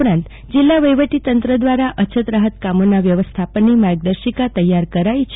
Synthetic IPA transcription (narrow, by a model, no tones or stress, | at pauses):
ɾãnt̪ | d͡ʒilːaʋəjʋəʈit̪ənt̪ɾəd̪ʋaɾaʔət͡ʃʰət̪ɾaɦət̪kamonaʋjəʋəst̪ʰapənimaɾɡ̚d̪əɾʃikat̪əjaɾkəɾait͡ʃʰ